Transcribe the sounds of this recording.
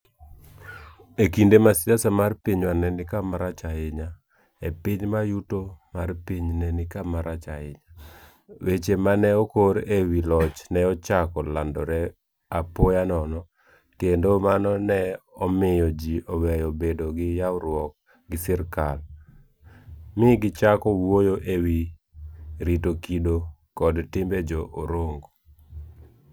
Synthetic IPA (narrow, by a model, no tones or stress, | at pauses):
ekindemasɪasamarpiɲwanɛnɪkamaɾat͡ʃaɪɲa | epɪɲmajutomarpiɲnɛnɪkamaɾat͡ʃaɪɲa | wet͡ʃemanɛɔkoɾewilɔt͡ʃnɛɔt͡ʃakɔlandɔɾɛ | apojanɔnɔ | kendomanɔnɛɔmɪjɔd͡ʒiowɛjɔbedoɡɪjawɾwɔk̚ | ɡɪsɪɾkal | mɪɡɪt͡ʃakɔwwojoʔewi | ɾitokido | kɔdtɪmbed͡ʒɔʔoɾoŋɡo